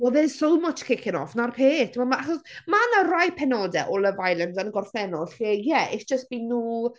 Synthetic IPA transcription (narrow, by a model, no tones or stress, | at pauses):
ɔðɛsomɔt͡ʃʰkʰɪkʰɪnɔfnarpʰeːtʰmɔmaaχɔsmanarajpʰɛnɔːdɛʔɔlˠəvajlˠɛndanəɡɔrfɛnɔɬχejɛɪθd̥d͡ʒ̥əst̚b̥inːuː